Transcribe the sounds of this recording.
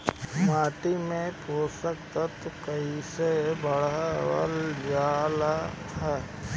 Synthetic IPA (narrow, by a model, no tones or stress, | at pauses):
maːʈimẽpoːsək̚t̪ət̪kəisebəɽə̰ld͡ʒaːla | ɦɛː